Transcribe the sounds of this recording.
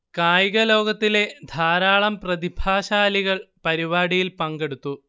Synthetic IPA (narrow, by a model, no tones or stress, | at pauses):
kaːjɣɐlo̞ːɡɐt̪ːile̞d̪ʱaːɾaːɭɐmprɐd̪ibʱaːɕaːliɣɐɭpɐɾiʋaːɽijilpɐŋɡe̞ɽut̪ːu